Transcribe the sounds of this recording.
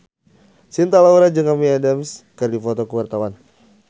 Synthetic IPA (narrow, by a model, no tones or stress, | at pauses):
sint̪alauɾad͡ʒəŋamiadɛmskɨrdifɔt̪ɔkəwart̪awan